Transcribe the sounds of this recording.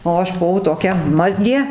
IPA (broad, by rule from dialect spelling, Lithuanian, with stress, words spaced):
oː ˈɐʃ bʊˈʋɐʊ toːˈkʲɛ ˈmɑːzʲɡʲeː